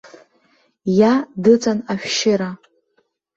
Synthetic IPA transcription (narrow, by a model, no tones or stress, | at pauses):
jadɨt͡sʼanaʃᶣʃɪɾa